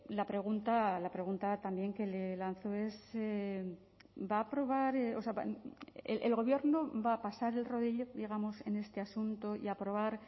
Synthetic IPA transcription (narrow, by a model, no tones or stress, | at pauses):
lapɾe̞ɣ̞unt̪alapɾe̞ɣunt̪at̪ambje̞ŋke̞le̞lan̟θo̞e̞se | baːpɾo̞βaɾeo̞seaalʔelɣ̞o̞βje̞ɾnobaːpasaɾe̞lro̞ð̞iʎo̞ðiɣ̞amo̞se̞ne̞st̪e̞asunt̪oḭapɾo̞β̞aɾ